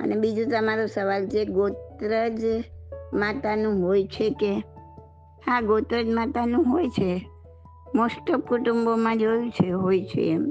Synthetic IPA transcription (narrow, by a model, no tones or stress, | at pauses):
ə̰nebid͡ʒũt̪əmaɾosəʋalt͡ʃʰeɡot̪ɾəd͡ʒ | mat̪anũɦojt͡ʃʰeke | haɡot̪ɾəd͡ʒmat̪anũɦojt͡ʃʰe | mosʈəp̚kuʈumbomãd͡ʒojũt͡ʃʰeɦojt͡ʃʰḛːm